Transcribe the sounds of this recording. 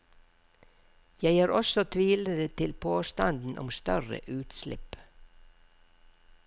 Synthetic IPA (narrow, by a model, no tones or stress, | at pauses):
jæɪæːɾɔsɔt̪ʰʋiːləd̪ət̪ʰɪlpʰoːst̪ɑnd̪n̩ʔɔ̰mst̪œɾə̰ʔʉːt̪slɪ̰p